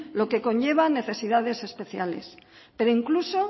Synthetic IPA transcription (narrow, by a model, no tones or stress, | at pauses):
lo̞ke̞ko̞ɲʝe̞β̞ane̞θe̞siðaðe̞se̞spe̞θja̰le̞̰spe̞ɾo̞iŋkluso̞